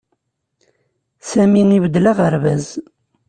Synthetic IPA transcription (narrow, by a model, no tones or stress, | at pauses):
sæmiŋiwəd̪laʁəɾvæz